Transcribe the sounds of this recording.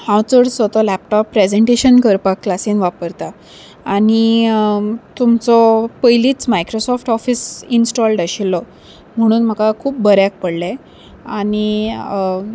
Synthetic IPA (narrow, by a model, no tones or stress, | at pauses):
hãwt͡səɽsət̪ɔlæpʈɔpːɾed͡zeɳʈeɕənkəɾpakːlasiːnʋapəɾt̪a | aɽ̃i | t̪umt͡sɔpəjliːt͡smajkɾosɔfʈɔfiːsinsʈɔlɖaɕilːɔ | m̤əɽ̃uːnm̤əkakʰuːp̚bəɾjak̚pəɽle | añi